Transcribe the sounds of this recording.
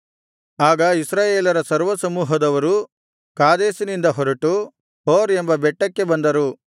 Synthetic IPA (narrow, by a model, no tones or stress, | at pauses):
aːɡɐisɾaːjeːlɐɾɐsɐɾʋɐsɐmuːɦɐd̪ɐʋɐɾu | kaːd̪eːsinind̪ɐɦɔɾɐʈu | hoːɾembɐbɛʈːɐkːe̞bɐnd̪ɐɾu